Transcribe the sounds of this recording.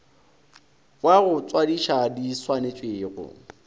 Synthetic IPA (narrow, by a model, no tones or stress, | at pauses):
kʼwaɣʊt͡sʼwadiʃadiswanet͡ʃʼweːɣʊ̰